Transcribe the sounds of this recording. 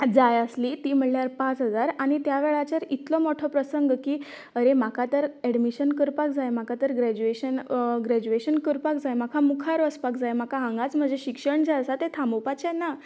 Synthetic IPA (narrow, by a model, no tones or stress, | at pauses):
d͡zajəslit̪iːm̤əɳljaɾpãt͡sɦəd͡zaɾaɽ̃it̪jaʋeɭat͡ɕəɾit̪lɔmoʈʰɔpɾəsəŋɡkiː | əɾemakʰat̪əɾɛɽmiɕənkəɾpak̚d͡zajmakʰat̪əɾɡɾɛd͡ʑueɕənɡɾɛd͡ʑueɕənkəɾpakd͡zajmakʰamukʰaɾʋəspakd͡zajmakʰaɦãŋɡat͡sm̤əd͡zʱeɕikʂəɳd͡zaəsat̪et̪ʰamopat͡ɕena